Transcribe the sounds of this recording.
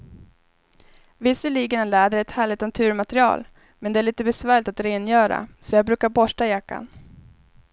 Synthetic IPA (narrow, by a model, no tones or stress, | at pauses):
vɪsːəlɭiːɡənɛnlæːd̪əɛt̪hæːɭɪt̪nat̪ʰʉ̟ːɾmat̪ɾɪɑ̰ːl | mɛnd̪ɛæːɭiːt̪əbɛsvæːɭɪt̪at̪ɾeːnjœːɾa̰sɔjɑːɡbɾʉ̟ːkaɾbɔʂʈajakːa̰n